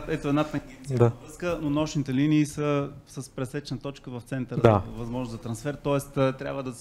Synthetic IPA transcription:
ɛt̪oɛd̪nat̪ɛŋɡʲɛnd̪avɾəskənonɔʃnit̪ɛliniːsəsəspɾɛsɛt͡ʃnət̪ɔt͡ʃkəvɐft̪sɛnt̪əɾavɐzmɔʒnoszɐt̪ɾɐnsfɛɾt̪ɔɛst̪ːt̪ɾʲa̰bvəd̪ɐs

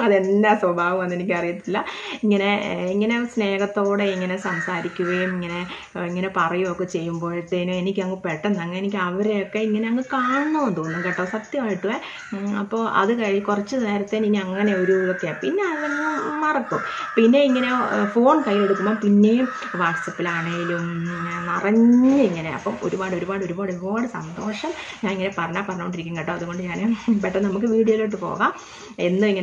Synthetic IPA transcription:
ɐðe̞nd̪aswɐbʱaːʋɐmʋɐnːenikʲːɐrijɐt̪ːilːɐiŋːɐne̞iŋːɐne̞sne̞ːɣɐt̪ːo̞ːɽe̞iŋːɐne̞sɐmsaːɾikʲːuɣɐjumiŋːɐne̞ | iŋːɐne̞pɐrɐjumokːet͡ɕe̞jːumbo̞ːɭiʈːenuenikʲːɨɐŋːɡɨpeʈːɐnːɐŋːɐenik̬ʲːɨɐʋɐɾejokːe̞iŋːɐneɐŋɡɨkaːɳɐnːuond̪oːnːumkeʈːɐʋsɐkt̪jɐʋaːjiʈːuʋe | ɐpːo̞ːʔɐ̰ðɨkɐɻikurɐt͡ɕːɨneːɾɐt̪ːeninːiɐŋːɐne̞oɾujokːejapinːe̞ɐðɐŋːɐmɐrɐkːumpinːe̞iŋːɐnefo̞ːɳkɐjːeɽukːumːoːpinːejum | ʋaːʈsɐpːilaːɳeiluminɐrɐɲːɨiŋːɐne̞ɐ̰pːomo̞̰ɾubaːɽɨo̞ɾubaːɽɨo̞ɾubaːɽɨo̞ɾubaːɽɨsɐnd̪o̞ːʂɐmɲaːniŋːɐnepɐrɐɲːaːpɐrɐɲːɐoɳɖiɾikʲːumkeʈːɐːɐðuɣo̞ɳɖɨɲaːnpeʈːɐnɐmukːɨʋiːɽijoːilo̞ːʈːɨpo̞̰ːɣaːm | enːuiŋːɐn

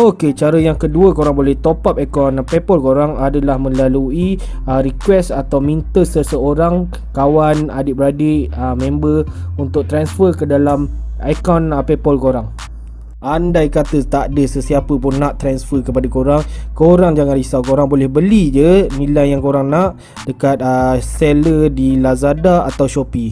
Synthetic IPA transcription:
oket͡ʃaɾəjaŋkəduəkoɾaŋbolɛht̪opap̚akɔnpepɔlkoɾaŋadalahmə̃lalui | əɾikwɛsat̪awmĩnt̪əsəsəoɾaŋ | kawanadɪʔ̚bəɾadɪʔəmɛ̃mbərunt̪ʊk̚t̪ɾansfərkədalamajkɔnpepɔlkoɾaŋ | ʔandajkat̪ət̪aʔdəsəsiapəpʊnːãʔt̪ɾansfərkəpadakoɾaŋkoɾaŋd͡ʒaŋãnlisawkoɾaŋbolɛhbəlid͡ʒənilajjaŋkoɾaŋnãʔ | dəkat̪̚əselədilazadaat̪awʃopi

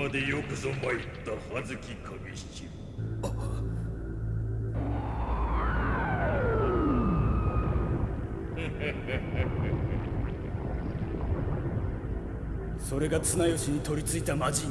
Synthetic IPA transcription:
ad̪e̞jokɯ̟zomait̪ːahazɨkʲikʰaɡiɕt͡ɕi | so̞ɾe̞ɡat͡sɨnajoɕiɲ̟it̪o̞ɾʲit͡sɨit̪amad͡ʑi

